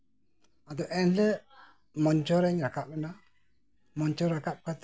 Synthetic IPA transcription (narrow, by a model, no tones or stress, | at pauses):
ad̪̬ɔʔɛnlɛ | mɔnt͡ʃɔɾɛɲɾakaɪna | mɔnt͡ʃɔɾakap̚kat̪